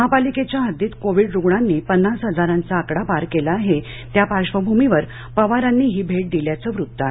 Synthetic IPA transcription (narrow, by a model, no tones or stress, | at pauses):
məɦapaliket͡ɕjaɦəd̪iːt̪koʋiːɽɾuɡɳanːiːpənːasɦəd͡zaɾãnt͡saːkɽapaɾkelaːɦe | t̪japaɕʋəbʱumiʋəɾ | pəʋaɾanːiːɦiːbʱeʈ̚d̪iljat͡səːʋɾut̪ːəaɦe